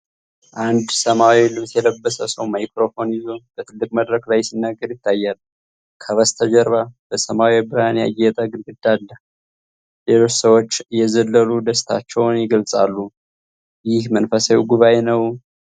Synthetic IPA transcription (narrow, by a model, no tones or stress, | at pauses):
ʔand̪səmawilɨβsjɛləbːəsəsəwmajkɾo̞fo̞njɪzo̞b̥ət̪ʰɨlːɨkʼməd̪ɾəklajsinːaɡːəɾjɪt̪ʰːajːalː | kʰəβəst̪ʰəd͡ʒəɾβab̥əsəmawiabɨɾhanea̰jɛt̪ʼəɡɨlɡɨd̪̥ːalːə | le̞lo̞t͡ʃːsəwo̞t͡ʃːjɛzəlːəlud̪əst̪ʰa̰t͡ʃːɛwnjɪɡəlsʼalːu | jɪhmənfəsawiɡuβajnəw